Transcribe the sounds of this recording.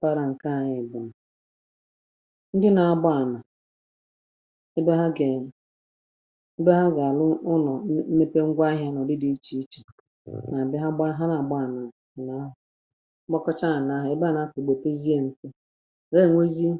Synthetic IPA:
pa˦ɾa˨ŋ̩˨ka˦˨ɲɪ˨ɡ͡bʊ˨m̩˨ | n̩˦dɪ˦na˨a˦ɡ͡ba˦˨na˨˦ | bɦa˦ɡe˨ | ɪ˦be˦ɦa˦ɡa˨lʊ˦ʊ˦nɔ˨˦me˦pe˦ŋ̩˦ɡʷa˦ɦja˦nɔ˨dɪ˦di˦i˦t͡ʃi˨i˦t͡ʃe̥˨ | na˨bɪ˦ɦa˦ɡ͡ba˦ɦa˦na˨ɡ͡ba˦˨na˨ | na˨˦ɦʊ˨˦ | ɡ͡bɔ˦kɔ˦t͡ʃa˦a˨na˦ɦʊ˨ɪ˦ba˦˨na˨˦tʊ˨ɡ͡bo˨te˦zi˦e˦n̩˨te˦ | ɾe˦˨ŋʷe˦zi˦

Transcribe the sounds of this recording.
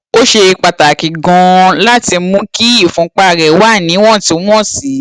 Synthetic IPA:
o˦ʃe˧i˧k͡pa˨ta˨ki˨ɡɔ̃˧la˦ti˧˦mũ˦ki˦i˦˨fũ˦k͡pa˦˨ɾɛ˨˦wa˦˨nĩ˨˦w̃ɔ̃˦˨tĩ˨˦ɔ̃˦˨si˨˦

